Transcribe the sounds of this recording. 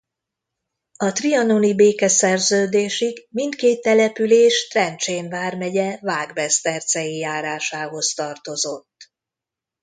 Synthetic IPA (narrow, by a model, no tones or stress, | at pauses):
ɒt̪riɒnonibeːkɛsɛrzøːd̪eːʃiɡmint̪keːt̪ːɛlɛpyleːʃt̪rɛnt͡ʃeːnvaːrmɛɟɛvaːɡbɛst̪ɛrsɛjijaːɾaːʃaːɦo̞st̪ɒrt̪o̞zo̞t̪ː